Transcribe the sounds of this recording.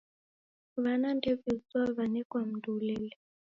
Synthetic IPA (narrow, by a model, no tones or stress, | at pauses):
βanandɛvizwaβanɛkwam̩dulɛlɛ